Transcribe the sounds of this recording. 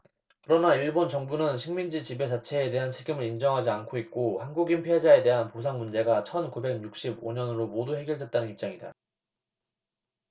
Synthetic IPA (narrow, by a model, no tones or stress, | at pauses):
kɯɾʌnaiɭbont͡ɕʌŋbunɯnɕʰiŋmind͡ʑit͡ɕibe̞t͡ɕat͡ɕʰe̞ːde̞ɦant͡ɕʰe̞ɡimɯɾind͡ʑʌŋɦad͡ʑiankʰoit̚k͈ohanɡuɡinpʰoɦed͡ʑae̞de̞ɦanposʰaŋmund͡ʑe̞ɡat͡ɕʰʌnkube̞ɡ̚juk̚ɕ͈iboɲʌnɯɾomoduɦe̞ɡjʌɭdwe̞t̚t͈anɯnip̚t͡ɕ͈aŋida̰